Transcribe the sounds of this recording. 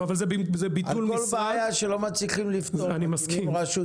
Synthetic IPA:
avalzebizɛbitalulolbeajaʃelo̞mat͡sliχimlift̪oanimaskiimʁaʃu

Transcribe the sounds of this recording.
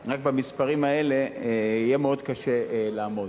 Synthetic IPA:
ʁakbamispaʁimae̞le̞ijemeo̞d̪kaʃe̞laːmo̞

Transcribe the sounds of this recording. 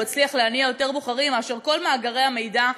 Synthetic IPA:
at͡sliaχleaniajo̞te̞ʁboχaʁimaːʃe̞ʁko̞lmaːɡaʁe̞jame̞jda

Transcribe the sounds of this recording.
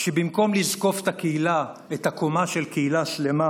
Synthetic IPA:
ʃebimko̞mlizko̞ft̪akeila | ethakomaʃelkeilaʃle̞ma

